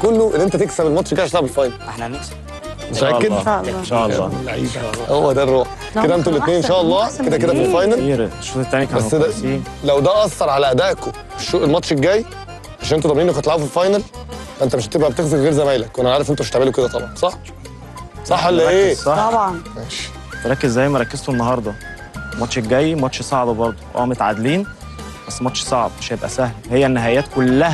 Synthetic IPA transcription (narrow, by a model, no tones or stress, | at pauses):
kolːoʔenːʔent̪æt̪eksæbelmɑt̪ˤʃɡæjeʃt̪elʕbelfɑjnɑl | mʔækːedʔæɑ̰lːaʕḭːbhowːæd̪ærˤːoːħ | ed̪æʔent̪ulːʔet̪neːnːʔenʃæːʔɑlˤːɑːked̪æked̪æfilfɑjnɑlʃːot̪ːænkbæsːd̪æ | læwd̪æʔɑsˤːɑɾˤʕalæʔæd̪æːʔko | fiʃːoʔelmɑt̪ʃeɡːæːj | ʕaʃænʔent̪d̪ɑmniːnːækːæt̪elʕawufilfɑjnɑlfæʔent̪æmeʃt̪ebʔæbet̪exzekɣeːɾzæmæːjlækwʔænæʕaɾefʔent̪meʃt̪eʕmeloked̪æt̪ˤɑbʕɑnsˤɑħ | sˤɑħːʔelːæʔeːsˤɑɑbʕɑn | feɾˤɑkːezːæjːmæɾˤɑkːez̥t̪onːɑɦɑɾˤd̪ˤɑ | mɑt̪ʃeɡæjːmɑt̪ʃsˤɑʕbɑbɑɾˤd̪ˤoʔæ̰ːmot̪ʕad̪liːn | bæsːemɑt̪ʃsˤɑʕb̪̚meʃjebʔæ̰sæhlhejːænːæɦæjæːt̪kolːæhæ